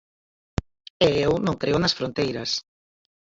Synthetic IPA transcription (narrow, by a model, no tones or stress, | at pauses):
eewnõŋkɾeʊnɐsfɾõnt̪ejɾɐs